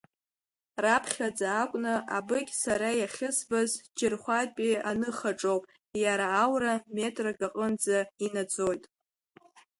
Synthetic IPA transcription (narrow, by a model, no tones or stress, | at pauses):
rapʰχʲad͡zaːkʷʼnɨʔabɨkʲʼsaɾajaχʲɪsbazd͡ʒɪrχʷatʼpʼianɨχaʈ͡ʂʼowpʼ | jaɾaːwrame̞tʼraɡaqʼənd͡zainad͡zo̞jtʼ